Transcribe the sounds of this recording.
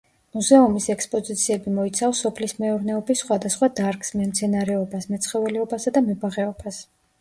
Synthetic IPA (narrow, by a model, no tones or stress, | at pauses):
muzɛumisɛkspʼɔzit̪sʰiɛbimɔit̪sʰafsːɔpʰlismɛuɾnɛɔbisːχwad̪asχwad̪aɾksmɛmt̪sʰɛnaɾɛɔbasmɛt̪sʰχɛvɛlɛɔbasad̪amɛbaʁɛɔb̥as